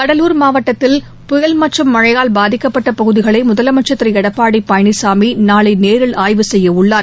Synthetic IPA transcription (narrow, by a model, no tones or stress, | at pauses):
kɐɽɐluːɾmaːʋɐʈːɐt̪ːɪl | pʊjɐlmɐʈt͡ʃːɐmːɐɻɐjaːlbaːðɪkːɐpːɐʈːɐpɐɣɯðɪɣɐɭɐɪmʊðɐlɐmɐʈt͡ʃːɐt̪ːɪɾɐɛɽɐpːaːɽipːɐjɐɳɪsaːminaːɭɐɪneːɾɪɭaːjʋɯsɛjːɐʊɭːaːɾ